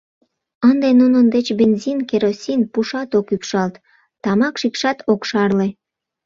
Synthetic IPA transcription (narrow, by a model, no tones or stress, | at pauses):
ənd̪enunənd̪et͡ɕbenʲzʲinkeɾosʲinpuʃɑt̪okypʃɑlt̪ː | ɑmɑkʃikʃɑt̪ʰokʃɑrle